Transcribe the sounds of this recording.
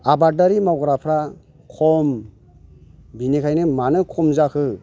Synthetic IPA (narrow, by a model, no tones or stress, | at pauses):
abadaɾimawɡɾapʰɾa | kʰɔm | binekʰajnɯmanɯkʰɔmzakʰɯ